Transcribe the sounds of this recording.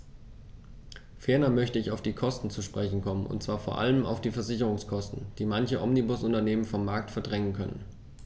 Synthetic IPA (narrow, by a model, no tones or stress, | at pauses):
fɛɐnɐmœçtəɪçaʊfd̥iːkʰɔstn̩t͡suʃpʁ̥ɛçn̩kʰɔmənʔʊ̰ntt͡sv̥aːɐfoːɐʔa̰ləma̰ʊfd̥iːfɛɐzɪçəʁʊŋskʰɔstn̩d̥iːmançəʔɔmnibʊsʊntɐneːmənfɔmːaɐk̚tfɛɐdʁɛŋənkʰœnə̰n